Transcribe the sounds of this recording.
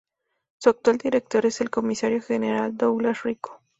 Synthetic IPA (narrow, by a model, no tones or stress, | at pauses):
suak̚t̪wald̪iɾek̚t̪o̞ɾeselko̞misaɾjoxeneɾald̪owlasriko̥